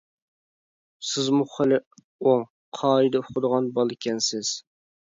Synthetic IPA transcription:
sɪzmuχəlɪ | oŋ | qʰɑːid̪ɛʊqʰəd̪əʁɑnbɑlˠɪkʲʰɛnsɪz̥

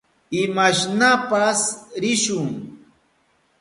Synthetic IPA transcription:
ɪmaʃnapasɾɪʃʊŋ

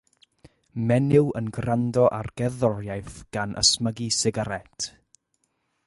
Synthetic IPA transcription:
mɛnɪwənɡrandɔʔarɡ̥ɛðɔrjajθɡ̥anʔə̰sməɡisɪɡaɾɛtʰ

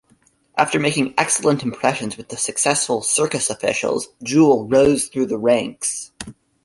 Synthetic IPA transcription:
ʔæftə˞meɪkɪ̃ŋɛksl̩ˠə̃ntm̩pʰɹ̥ɛʃɨ̃nzwɨðɨsɨksɛsfl̩ˠsɜ˞kɨsəfɪ̰ʃl̩ˠz̥d͡ʒul̩ˠɹoʊz̥θɹʉðəɹæ̃ŋks

